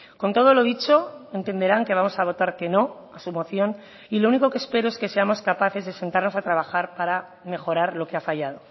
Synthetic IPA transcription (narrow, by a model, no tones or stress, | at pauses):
ko̞nt̪o̞ð̞olo̞ðit͡ʃo̞e̞nt̪e̞nd̪e̞ɾaŋke̞β̞amo̞saβ̞o̞t̪aɾke̞no̞ | asumo̞θjon | ilo̞unikokespe̞ɾoe̞ske̞se̞amo̞skapaθe̞zðe̞se̞nt̪aɾno̞sat̪ɾaβaxaɾpaɾa | me̞xo̞ɾaɾlo̞keafaʝað̞o̞